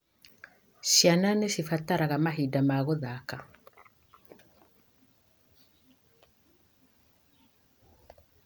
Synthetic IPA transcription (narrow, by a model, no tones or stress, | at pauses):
sjananesifataɾaɣamaɦidamaɣoðaka